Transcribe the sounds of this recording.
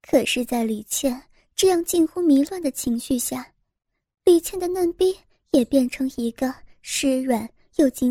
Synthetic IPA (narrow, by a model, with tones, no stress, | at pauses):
kʰɤ˨˩ʂɻ̩˥˧t͡sa˥˩ɪli˨˩t͡ɕʰjɛ˥˩n | ʈ͡ʂɤ˥˧jɑ˥˧ŋt͡ɕi˥˧nxu˥mi˧˥lwa˥˩nd̪ə˩t͡ɕʰi˧˥ŋɕy˥˧ɕja˥˩ | li˨˩t͡ɕʰjɛ˥˩nd̪ə˩nə˥˩npi˥ | jɛ˨˩pjɛ˥˩nʈ͡ʂʰɤ˧˥ŋi˧˥ɡə˧ | ʂɻ̩˧˥ɥə˨˩˦n | jo˥˩ʊt͡ɕi˧˥